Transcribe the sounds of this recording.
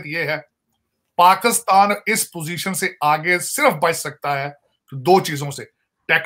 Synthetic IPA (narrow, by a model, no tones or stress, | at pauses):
t̪jeːɦɛː | paːkɪst̪aːnɪspoːziːʃənseʔaːɡesɪɾəfbət͡ʃsək̚t̪aːɦɛː | d̪oːt͡ʃiːzõseː | ʈɛːk